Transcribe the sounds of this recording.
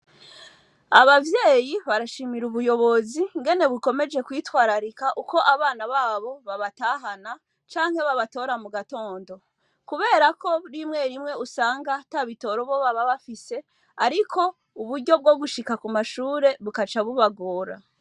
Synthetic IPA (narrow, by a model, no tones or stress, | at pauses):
aβavje̞ːjiβaɾaʃimiɾuβujo̞βo̞ziŋɡe̞ne̞βiko̞me̞d͡ʒe̞kwiːtwaːɾaɾikaʔuko̞ʔaβaːnaβaːβo̞βaβataɦana | t͡ʃaːŋhe̞βaβato̞ːɾamuɡato̞ːndo̞ | kuβe̞ːɾako̞ɾimŋe̞ɾimŋe̞usaːŋɡataβito̞ɾo̞βo̞βaβaβafise̞ | aɾikʰo̞ | uβuɾɟo̞b̚ɡo̞ɡuʃikakumaʃuːɾe̞βukat͡ʃaβuβaɡoːɾa̰